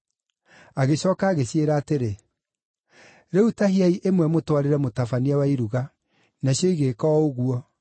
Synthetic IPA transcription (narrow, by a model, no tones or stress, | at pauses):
aɣeɕɔkaːɣeɕjeɾaːteɾe | ɾeutaɦiaiʔemwɛmotwaɾeɾɛmotafaniawaiɾuɣa | naɕjoiɣekɔoɣuɔ